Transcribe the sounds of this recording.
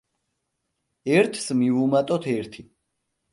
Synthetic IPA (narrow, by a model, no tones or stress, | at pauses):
ɛɾt̪ʰsmivumat̪ʼɔt̪ʰɛɾt̪ʰi